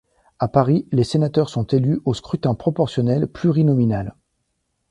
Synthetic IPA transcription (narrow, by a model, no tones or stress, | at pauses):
apaʁilesenat̪œʁsɔ̃t̪elyoskχyt̪ɛ̃pχɔpɔʁsjɔnɛlplyʁinɔminal